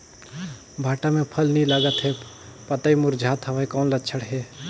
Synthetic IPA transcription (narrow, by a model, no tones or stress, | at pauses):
bʱaːʈamẽpʰəlnĩləɡət̪ɦɛ | pɐt̪aːimʊɾd͡ʒʱaːt̪ɦəʋaikɔːnlətːt͡ʃʰəɽɦɛː